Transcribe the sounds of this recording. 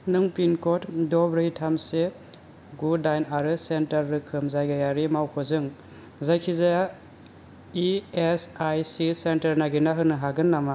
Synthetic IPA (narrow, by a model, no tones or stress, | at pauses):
nɯŋpinkɔtdɔbɾɯjtʰamse | ɡudajnaɾɯsentaɾːɯkʰɯmzajɡajaɾimawkʰɔzɯŋ | zajkʰiza | iesajsisentɐɾnaɡinaɦɯnɯɦaɡɯnːama